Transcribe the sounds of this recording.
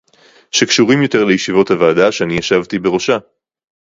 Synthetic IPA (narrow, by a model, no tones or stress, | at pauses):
ʃekʃuʁimjo̞te̞ʁlejeʃivo̞thavaːdaʃeanijaʃavt̪ibe̞ʁo̞ʃa